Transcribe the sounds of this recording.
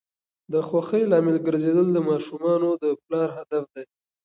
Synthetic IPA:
d̪əxwaxəjlɑmɪlɡəɾzed̪əld̪əmɑʃumɑnod̪əplɑɾɦad̪afd̪aj

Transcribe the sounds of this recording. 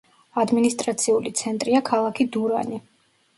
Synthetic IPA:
ad̪minist̪ʼɾat̪sʰiulit̪sʰɛnt̪ʼɾiakʰalˠakʰid̪uɾa̰ni

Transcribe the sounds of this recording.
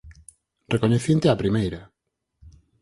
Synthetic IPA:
rekoɲeθent̪eapɾimejɾa

